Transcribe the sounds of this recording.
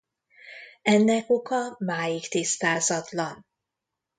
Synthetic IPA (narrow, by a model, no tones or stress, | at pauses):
ɛnːɛkokɒmaːjikt̪ist̪aːzɒt̪lɒn